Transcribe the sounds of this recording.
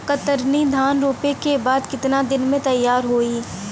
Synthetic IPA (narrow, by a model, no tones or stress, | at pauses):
kət̪əɾnid̪ʱaːnɾoːpekebaːd̪kɪt̪nad̪ɪnmẽt̪ɐjːaːɾɦoːiː